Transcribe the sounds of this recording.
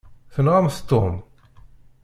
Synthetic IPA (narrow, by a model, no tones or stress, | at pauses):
θənʁamθt̪ːom